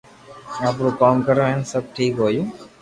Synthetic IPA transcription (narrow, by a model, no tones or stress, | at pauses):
aːpɾuːkaːmkəɾoɦensəb̚ʈʰiːkɦoːjuː